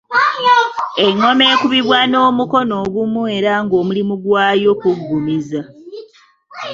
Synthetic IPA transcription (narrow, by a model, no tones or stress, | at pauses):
e̞ŋːo̞me̞ːkuβiβwano̞ːmuko̞no̞ːɡumue̞ɾaŋɡo̞ːmulimuɡwaːjo̞kuɡːumiza